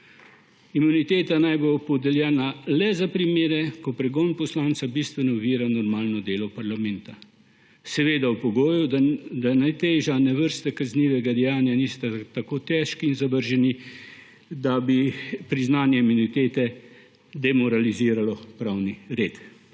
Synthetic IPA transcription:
imunit̪eːt̪anajbopɔd̪ɛljɛːnalɛzapɾimeːɾɛkɔpɾɛɡoːnpɔslaːnt̪sabist̪ʋɛnɔuʋiːɾanɔɾmaːlnɔd̪eːlɔpaɾlamɛnt̪a | sɛʋeːd̪awpɔɡoːjud̪anajt̪eːʒanɛʋəɾst̪ɛkazniːʋɛɡad̪ɛjaːnjaniːst̪at̪akoːt̪ɛʃkiːnzabəɾʒɛni | d̪abipɾiznaːnjɛimunit̪eːt̪ɛ | d̪ɛmɔɾaliziːɾalɔpɾawniɾeːt̪

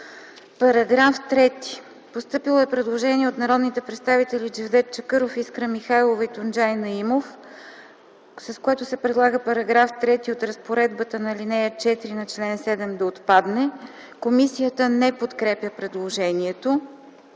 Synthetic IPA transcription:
pɐɾɐɡɾaft̪ɾɛt̪i̥ | post̪ɤpilˠoɛpɾɛd̪lˠoʒɛniɛot̪nɐɾɔd̪nit̪ɛpɾɛt̪st̪avit̪ɛlid͡ʒivd̪ɛt̪̚t͡ʃəkɤɾofiskɾəmixajlˠovɐit̪ond͡ʒajnɐimof | sɐskoɛt̪ʊsɛpɾɛd̪lˠaɡəpɐɾɐɡɾaft̪ɾɛt̪iot̪ɾɐspoɾɛd̪bət̪ənɐlinɛjət͡ʃɛt̪iɾinɐt͡ʃlɛnsɛd̪ɛmd̪ɐot̪pad̪nɛ | komisijət̪ənɛpot̪kɾɛpjəpɾɛd̪lˠoʒɛniɛt̪o

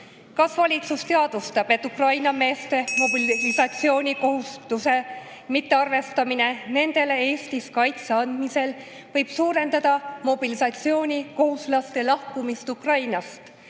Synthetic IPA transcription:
kɑsvɑlʲit̪sust̪e̞ɑd̪̥ust̪ɑb̥e̞t̪ːˑukrɑjnɑme̞ːst̪e̞mo̞billisɑt̪sio̞ːnʲiko̞ɦust̪use̞ | mit̪ːe̞ɑrve̞st̪ɑmine̞ne̞nd̪̥e̞le̞e̞ːst̪iskɑjt̪seɑnd̪̥mise̞l | vɤjb̥suːɾe̞nd̪ɑd̪̥ɑmo̞b̥ilisɑt̪sio̞ːnʲiko̞huslɑst̪elɑhkumist̪ukrɑjnɑst̪

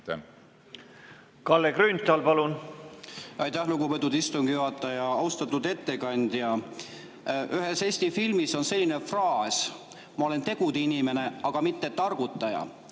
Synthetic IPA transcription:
kɑlːekɾynt̪ɑlpɑlun | ʔɑjt̪æhluɡupet̪ːˑud̪ist̪uŋɡ̥ijuɦɑt̪ːˑɑjɑɑuwst̪ɑt̪ːˑud̪e̞t̪ːe̞kɑnʲd̪̥jɑ | ʔyɦe̞se̞ːsʲt̪ifilmiso̞nse̞lʲːine̞frɑːs | mɑo̞le̞nt̪e̞ɡ̥ud̪̥inʲime̞ne̞ɑɡ̥ɑmit̪ːet̪ːɑrɡ̥ut̪ˑːɑjɑ̰

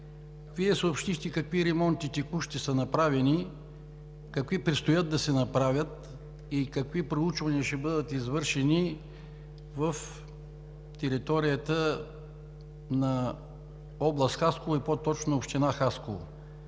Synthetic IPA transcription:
viɛsoopʃt̪ixt̪ɛkɐkviɾɛmɔnt̪it̪ɛkuʃt̪isənɐpɾavɛni | kɐkvipɾɛt̪st̪ojəd̪̚d̪ɐsɛnɐpɾavʲjət̪ | ikɐkvipɾout͡ʃvɐniəʃɛbɤd̪ət̪izvɤɾʃɛni | vəf | t̪ɛɾit̪ɔɾijət̪ə | nɐ | ɔblˠəst̪xaskolˠoipot̪ɔt͡ʃnoːpʃt̪inaxaskolˠo̰

